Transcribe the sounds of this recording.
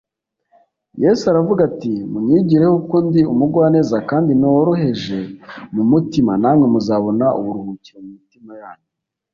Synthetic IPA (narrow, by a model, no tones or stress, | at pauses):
jesuaɾavuɡatimumiːɟiɾe̞hukondiumuɡwaːne̞ːzakaːndinowɾoɦe̞ʒe̞mumutimanaːmŋe̞muzaːβo̞naʔṵβuɾuhuciɾemumitimajaːɲo